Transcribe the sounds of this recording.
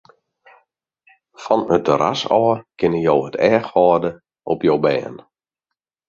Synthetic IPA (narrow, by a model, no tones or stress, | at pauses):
fɔnətəɾa̰sɔːkɪnəjowətʰɛːxhɔːdə | ʔɔpjowbɛ̰ːn